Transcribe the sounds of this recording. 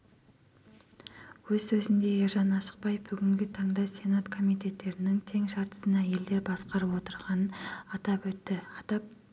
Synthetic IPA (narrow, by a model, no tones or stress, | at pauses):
wɵzsɵzɪnd̪e̞eɾʒɑnɑʃə̥q̚pɑjfbʏɡʲɪŋɡʲɪt̪ʰɑɴd̪ɑsʲe̞nat̪kʰo̞mijt̪e̞t̪ːe̞ɾɪnɪŋt̪ʰe̞ŋʃɑɾt̪ə̥sənæje̞ld̪e̞ɾbɑsqɑɾəpwo̞t̪əɾʁɑnənɑt̪ɑpwɵt̪ːɪɑt̪ɑp̚